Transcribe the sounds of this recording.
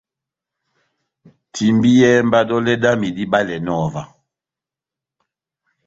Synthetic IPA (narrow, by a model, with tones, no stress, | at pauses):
tʰi˨mbi˦jɛ˦m˦ba˦dɔ˦lɛ˦da˦mi˨di˦ba˦lɛ˨nɔː˦˨va˨